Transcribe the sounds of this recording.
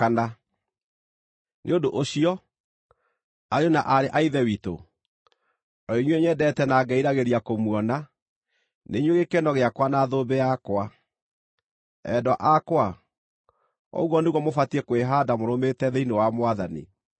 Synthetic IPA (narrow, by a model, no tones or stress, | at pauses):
ana | nʔeodoʔoɕiɔ | aɾeɔnaʔaɾeʔaiðɛwito̰ | ɔiɲwɛɲɛdɛtɛnaːɡɛiɾaɣeɾiakomwɔna | neɲweɣekɛnɔɣeakwanaðobɛakwa | ɛ̰dɔaʔakwa | ɔ̰uɣɔneɣwɔmofatiɛkweɦadamoɾometɛðeinewamowaðanḭ